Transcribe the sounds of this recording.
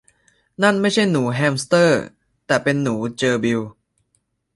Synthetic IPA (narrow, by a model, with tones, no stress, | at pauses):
na˥˩nma˥˩jt͡ɕʰa˥˩jnuː˩˦ɦɛː˧mst̪ɤː˥˩ | t̪ɛː˨˩pe˧nːuː˩˦t͡ɕɤː˧bi˧w